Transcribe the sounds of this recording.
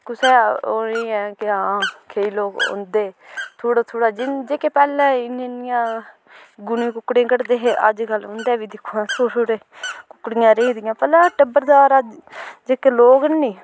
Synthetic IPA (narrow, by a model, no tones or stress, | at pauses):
kʊsɛːoːiːɛ̃ːkɪãːkʰeːiːloːkõ̰ːnd̪eːt̪ʰoːɽaːt̪ʰoːɽaːd͡ʒɪnd͡ʒeːkeːpɛːlɛ̃ːɪneːnɪjãː | ɡʊnĩːkʊkːɽẽːkəɽd̪eːɦeːʔə̰d͡ʒɡəlõnd̪ɛːʋiːd̪ɪkʰːuːãːt̪ʰoːtʰoːɽeːkʊkːɽɪjãːɾeːd̪ɪjãːpɛlãːʈəbəɾd̪aːɾad͡ʒd͡ʒeːkeloːɡənːĩː